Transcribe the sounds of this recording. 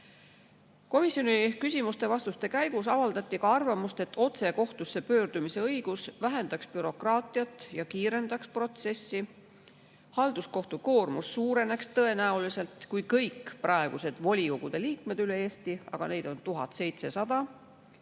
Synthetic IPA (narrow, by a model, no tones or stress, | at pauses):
ko̞misjo̞nikysʲimust̪e̞vɑst̪ust̪e̞kæjɡ̥usɑvɑld̪ɑt̪ʲːˑikɑɑrvɑmust̪e̞t̪ːo̞t̪se̞ko̞ht̪usːe̞pø̞ːrd̪̥umise̞ɤjɡ̥usvæɦe̞nd̪̥ɑkspyɾo̞krɑːt̪ˑiɑt̪ːˑjɑkiːɾe̞nd̪̥ɑkspro̞t̪se̞sːi | hɑld̪̥usko̞ht̪uko̞ːrmusːuːɾe̞ne̞kst̪ɤ̞e̞næulise̞lt̪kujkɤjkːˑprɑe̞ɡ̥use̞d̪̥vo̞lʲikoɡ̥ud̪̥e̞liːkme̞d̪̥yle̞eːst̪iɑ̰ɡ̥ɑ̰ne̞jd̪̥o̞nt̪uɦɑt̪se̞jt̪se̞sɑd̪̥ɑ